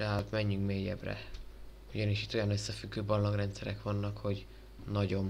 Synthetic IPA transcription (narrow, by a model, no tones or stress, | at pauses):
ɛɦat̪mɛɲːyŋkmeːjɛ̰brɛ̰ | uɟɒniʃit̪ːo̞jɒnøsːɛfyɡːøːbɒlːoɡrɛnt̪sɛɾɛkʋɒnːɒkho̞ɟ | nɒɟo̞m